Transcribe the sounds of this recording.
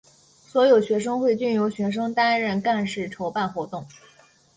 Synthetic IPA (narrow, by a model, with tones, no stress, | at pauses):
swɔ˧˥jo˨˩ʊɕɥɛ˧˥ʂ̬ɤ˥ŋxwe˥˧ɪt͡ɕy˥˩njo˧˥ʊɕɥɛ˧˥ʂ̬ɤ˥ŋt̪a˥nɻə˥˧nka˥˧nʂɻ̩˥˩ʈ͡ʂʰo˧˥ʊpa˥˩nxwɔ˧˥t̪ʊ˥˩ŋ